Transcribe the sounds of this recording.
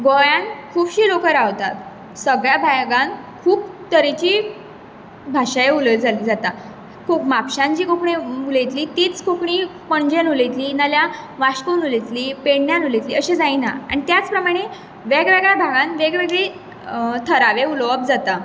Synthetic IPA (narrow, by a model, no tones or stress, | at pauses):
ɡojãnkʰuːbɕiːlokəɾaʋt̪at̪ | səɡɭjabʱajɡãn | kʰuːpt̪əɾit͡ɕiː | bʱaɕajeuld͡zaid͡zat̪a | kokmapɕãɲt͡ɕiːkokɳiulejt̪liːt̪iːt͡skokɳipəɳd͡ʑẽnulet̪liːnalja | ʋaɕkonulit̪liːpeɽnjanulet̪liːəɕed͡zaina̰a̰ɳ̃it̪jat͡spɾəmaɽ̃e | ʋeɡʋeɡɭjabʱaɡãnʋeɡʋeɡɭe | t̪ʰəɾaʋeulʋəp̚d͡zat̪a